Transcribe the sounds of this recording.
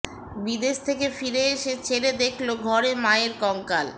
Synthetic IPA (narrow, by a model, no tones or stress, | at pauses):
bid̪eʃt̪ʰekefiɾeeʃet͡ɕʰeɾed̪ekʰloɡʱɔɾemaeɾkɔŋkal